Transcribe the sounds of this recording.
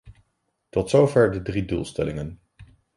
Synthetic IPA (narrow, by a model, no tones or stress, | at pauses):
tɔtsowvɛɹdədridṵːlˠstɛ̰lɪŋən